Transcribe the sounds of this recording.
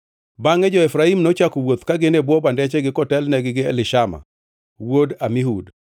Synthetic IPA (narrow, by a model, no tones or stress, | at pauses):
baŋɛd͡ʒɔɛfɾaimnɔt͡ʃakowot̪kaɡɪnebwɔbandɛt͡ʃɛɡɪkɔtɛlnɛɡɪɡɪɛ̰lɪʃama̰ | wodamiɦud